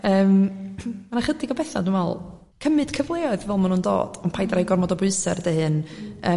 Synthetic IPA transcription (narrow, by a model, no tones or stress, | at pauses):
əːmmanaχədɪɡɔbɛθa̰dwnvɛ̰lˠ | kʰəmɨd̥kʰəvlˠeːɔɨðvɛlˠmanundo̰ːd̥ɔnpʰajdrajɡɔrmɔdɔbʊɨsɛ̰rdehɨnəː